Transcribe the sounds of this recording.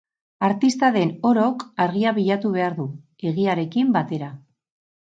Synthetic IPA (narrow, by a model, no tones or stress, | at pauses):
aɾt̪ist̪aðe̞no̞ɾo̞kaɾɣiaβiʎat̪uβ̞e̞aɾðu | e̞ɣiaɾe̞kimbat̪e̞ɾa